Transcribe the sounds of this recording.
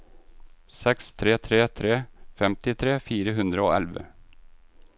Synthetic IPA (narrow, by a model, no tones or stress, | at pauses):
sɛkst̪ʰɾeːt̪ʰɾeːt̪ʰɾeːfɛmt̪ɪt̪ʰɾeːfiːɾəɦʉnd̪ɾəo̰ːʔɛ̰lʋə̰